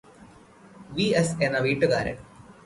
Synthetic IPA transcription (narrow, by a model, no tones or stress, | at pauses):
ʋiːɐsenɐʋiːʈːɨkaːɾɐ̰ɳ